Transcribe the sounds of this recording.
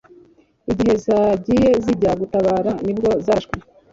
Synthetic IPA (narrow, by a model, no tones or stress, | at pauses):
iɟihe̞zaɟije̞ziɟaɡutaβaːɾanibɡo̞zaʃkwe